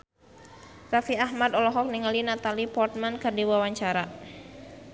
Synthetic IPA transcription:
rafiaɦmad̪ɔlɔɦɔk̚niŋalinat̪alipɔrt̪̚mankərdiwawaɲt͡ʃaɾa

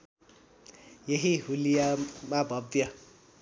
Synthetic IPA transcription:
jeɦiɦulijamabʱʌbjʌ

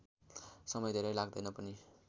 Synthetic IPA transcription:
sʌmʌjd̪ʱeɾʌjlaɡ̚d̪ʌjnʌpʌni

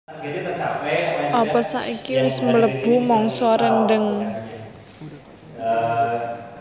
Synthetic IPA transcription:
ʔɔpɔsa̰ʔikimɪsmələb̥ṳmɔŋsɔɾənɖəŋ

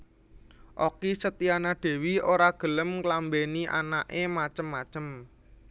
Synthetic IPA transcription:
ʔokisət̪ianaɖ̪̥e̤wioɾaɡ̥ə̤ləmklambeniʔa̰naʔemat͡ʃəmːat͡ʃəm

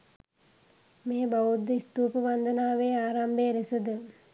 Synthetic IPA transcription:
meːbaud̪ːəist̪uːpəʋand̪ənaːʋeːaːɾambeɾisəd̪ə

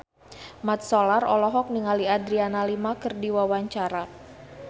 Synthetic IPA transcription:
mat̪̚solarɔlɔɦɔk̚niŋaliadɾianalimakɨrdiwawaɲt͡ʃaɾa

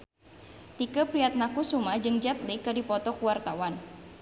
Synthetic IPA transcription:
t̪ikəpɾiat̪̚nakusumad͡ʒɨŋd͡ʒat̪likɨdipɔt̪ɔkuwart̪awan

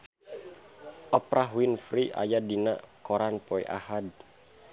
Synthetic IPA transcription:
ʔɔpɾʔaɦwinfɾiʔa̰jadina̰kɔɾanpɔḭʔa̰had

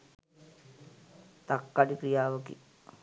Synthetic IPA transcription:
t̪akːaɖikɾijaːʋəkḭ

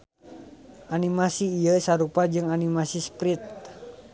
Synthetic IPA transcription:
ʔanimasiːjəsaɾupad͡ʒɨŋanimasispɾit̪̚

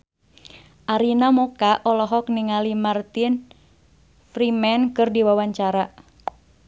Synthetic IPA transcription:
ʔaɾinamɔkaʔɔlɔɦɔk̚niŋalimart̪in | fɾimɛnkɨrdiwawaɲt͡ʃaɾa

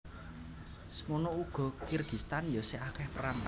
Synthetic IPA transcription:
smonouɡ̥ɔ̤kirɡ̥ist̪anjɔseakɛhpəɾant̪

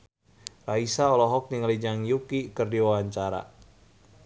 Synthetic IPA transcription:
raisaɔlɔɦɔk̚niŋəlid͡ʒaŋjukikɨrdiwawaɲt͡ʃaɾa̰

